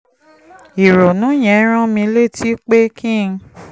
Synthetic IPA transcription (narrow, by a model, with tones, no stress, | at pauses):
i˨ɾo˨nũ˨˦j̃ɛ̃˨˦ɾ̃ã˦mĩ˧le˦˨tʰi˦k͡pe˦kʰĩ˦˨˧ŋ˧